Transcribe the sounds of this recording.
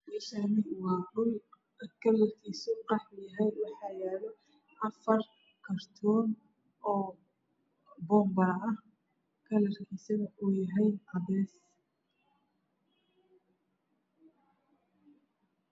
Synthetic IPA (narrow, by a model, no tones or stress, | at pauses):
mɛʃanɪwɑːrʊl | kʰɐlɐrkʰiːsʊqɑħjɐɦɛjwɑħɑːjaːlɔ | ʔɐfɐr | kʰɐrt̪ʰɔːn | ɔː | bɔːmbɐɾɐ | kʰɐlɐrkʰiːsɐðɐʔʊjɐɦɛjʔɐβɛːs